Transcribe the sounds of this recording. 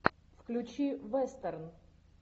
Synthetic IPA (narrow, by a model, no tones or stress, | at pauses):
fklʲʊt͡ɕivɛst̪ɛrn